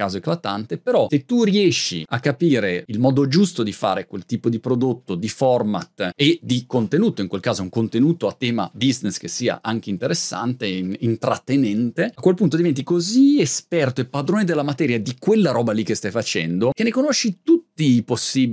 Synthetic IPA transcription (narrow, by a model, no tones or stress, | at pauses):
kaːzoeklat̪ant̪epeɾɔset̪ːuriɛʃːḭa̰kːapiːɾeilmɔːd̪od͡ʒust̪od̪ifa̰ːɾekwelt̪iːpod̪ipɾod̪ot̪ːod̪ifɔrmat̪ed̪ikont̪enuːt̪oiŋkwelkaːzouŋkont̪enuːt̪oat̪ːɛːma̰biznesk̟esiːa̰ʔaŋk̟eint̪eɾesːa̰nt̪eint̪ɾat̪ːenɛnt̪eakwelpunt̪od̪ivɛnt̪̬ikoziespɛrt̪oepːad̪ɾoːned̪elːamat̪ɛːɾjad̪ikwelːaɾɔːbalik̟ːest̪ajfat͡ʃɛ̰nd̪okenːekonoʃːit̪ut̪ːiːposːiːb